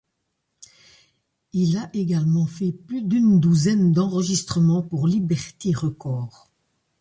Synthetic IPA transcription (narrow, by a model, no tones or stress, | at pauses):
ilaʔeɡalmɑ̃fɛplyd̪ynd̪uzɛnd̪ɑ̃ʁəʒist̪χəmɑ̃puʁlibɛʁt̪eʁəkɔːʁ